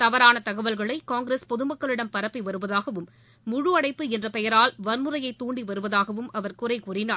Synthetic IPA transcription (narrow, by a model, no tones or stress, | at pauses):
t̪ɐʋɐɾaːnɐt̪ɐɣɐʋɐlɣɐɭɐɪkaːŋɡɾeːspɔðɯmɐkːɐɭɪɽɐmpɐɾɐpːiʋɐɾɯʋɐðaːɣɐʋɯmː | ʊɻʊɐɽɐɪpːɯɛndrɐpɛjɐɾaːlʋɐɾmɯrɐjɐɪt̪uːɳɖiʋɐɾɯʋɐðaːɣɐʋɯmɐʋɐɾkʊrɐɪkuːrɪnaː